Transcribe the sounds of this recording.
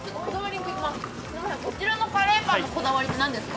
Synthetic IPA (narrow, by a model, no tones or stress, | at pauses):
t͡ɕot̪ːokod̪aβaɾʲĩŋkɯikʲimasɨ̥ | naako̞t͡ɕiɾano̞paɾeːbãnoko̞d̪aβaɾʲit̪enãnd̪e̞sɨ̥ka